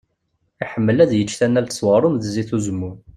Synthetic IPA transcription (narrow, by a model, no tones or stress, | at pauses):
iħəmːəlæðjət͡ʃːθænːælt̪ə̥sˤwɑɾˤʊmðziθuzəmːʊɾ